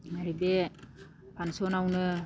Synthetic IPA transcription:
maɾibe | pʰansɔnawnɯ

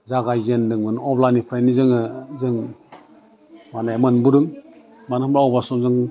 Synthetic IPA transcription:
zaɡajzendɯŋmɯnɔblanipʰɾajnizɯŋɯzɯŋ | manajmɯnbuɾɯŋ | manmbɾaɔwbasɔmzɯŋ

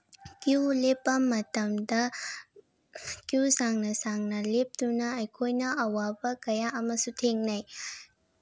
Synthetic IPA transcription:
kjulepːɐmɐtɐmdɐ | kjusaŋnɐsaŋnɐlep̚tunɐːjkʰojnɐɐwabɐkɐjaʔɐmɐsutʰeŋnɐj

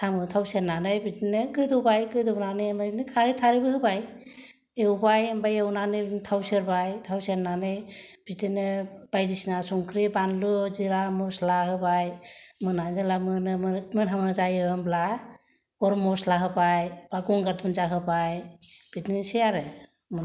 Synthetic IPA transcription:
tʰamɯtʰawseɾnːanɯjbitinɯɡɯdɔbajɡɯdɔwnanɯjembajnɯkʰaɾitʰaɾibɯhɯbaj | ewbajembajewnanɯntʰawseɾbajtʰawseɾnanɯjb̥itinɯb̥ajdisnasuŋkʰɾibanlɯziɾamɔslaɦɯbajmɯnazalamɯnɯmɯnɦaŋnazajɯɯmbla | ɔɾmɔslaɦɯbajbaɡɔŋɡatʰunzaɦɯbajb̥itniseaɾɯ | m

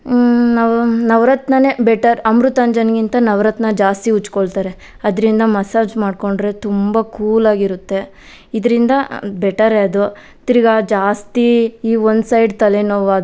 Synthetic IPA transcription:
nɐʋnɐʋɾɐt̪nɐne̞bɛʈɐɾɐmɾut̪ɐnd͡ʒɐnɡint̪ɐnɐʋɾɐt̪nɐd͡ʒaːst̪iut͡ʃːkoɭt̪aːɾe̞ | ɐd̪ɾind̪ɐmɐsaːd͡ʒmaːɖko̞ɳɖɾe̞t̪umbɐkuːlaːɡiɾut̪ːe̞ | id̪ɐɾind̪ɐbɛʈɐɾeɐd̪u | t̪iɾiɡad͡ʒaːst̪iiːʋond̪sɐjɖt̪ɐlenoʋaːd̪

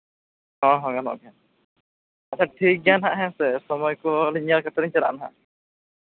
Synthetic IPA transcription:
ɦɔ̃ɦɔ̃ɡanɔ̰ʔɡɛn | at͡ʃʰaʈʰik̚ɡanaɦãʔɦɛ̃sɛsɔmɔjkɔliɲaɾkʰɛt̪ɔɾiɲt͡ʃaɾa̰ʔnaɦã̰

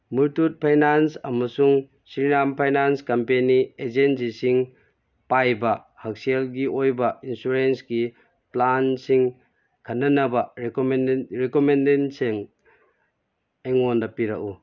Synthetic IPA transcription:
muɾtut̚pʰajnansɐmɐsuŋ | sɾinampʰajnanskɐmpenied͡ʒensisiŋ | pajbɐ | hɐk̚selɡiʔojbɐinsuɾensɡi | plansiŋ | kʰɐnːɐnɐbɐɾkmnɾikomendenseŋ | ejŋondɐpiɾɐ̰k̚u

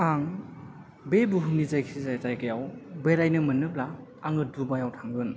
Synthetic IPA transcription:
aŋ | bebuɦunizajkʰizajzajɡajawbeɾajnɯmɯnːɯp̚la | aŋɯdubajawtʰaŋɡɯn

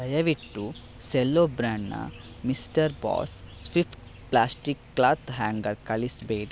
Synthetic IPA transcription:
ɐjɐʋiʈːu | selːoːbɾaːɳːɐ̰ | misʈɐɾbɔ̰ːspipʰʈ | plaːsʈikːlaːt̪ɦaːŋɡɐɾkɐlisbeːɖ

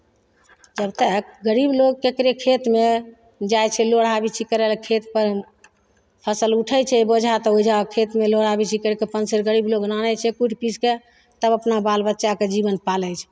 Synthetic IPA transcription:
d͡ʒəbt̪əkɡəɾibloɡ̚kekɾekʰet̪me | d͡ʒajt͡ʃʰɛloɽabit͡ʃʰikəɾelkʰet̪pəɾ | pʰəsəluʈʰət͡ʃʰɛbod͡ʒʱat̪ɔɦod͡ʒʱakʰet̪meloɽabit͡ʃʰikəɾkepənsəɾɡəɾibloɡnanɛt͡ʃʰɛkuʈʰpiske | t̪əbəpnabalbətːʃaked͡ʒibənpaləjt͡ʃʰ

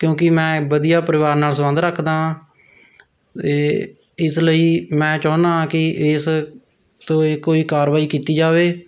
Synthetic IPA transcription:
kjõːkɪmɛ̃ːbəd̪ijaːpəɾɪʋaːɾnaːlsmə̃nd̪ɾəkʰd̪ãː | eː | ɪsləiːmɛ̃ːt͡ʃaːnd̪aːkɪɪs | t̪õːekoːiːkaːɾʋaːiːkiːt̪iːd͡ʒaːʋeː

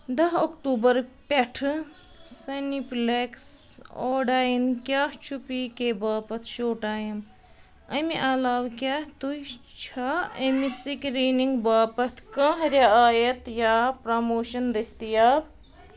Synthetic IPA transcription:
d̪ɐɦokʈuːbɐɾpeʈʰ | sɐnipleksoːɖaːjinkʲaːht͡ʃʰupikebaːpɐt̪ʰʃoːʈaːjim | ɐmeʔɐlaːwkat̪ujt͡ʃʰaəmisikɾiniŋɡbaːpɐt̪ʰkɐ̃ɦɾaaːjɐt̪japɾɐmoːʃɐnɾist̪ijab

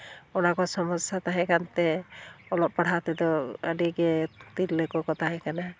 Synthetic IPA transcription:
ɔnakɔsɔmɔsat̪aɦɛkant̪ɛɔlɔpːaɽ̤at̪ɛd̪ɔə̰ɖiɡɛt̪ilːɛkɔkɔt̪aɦɛkana

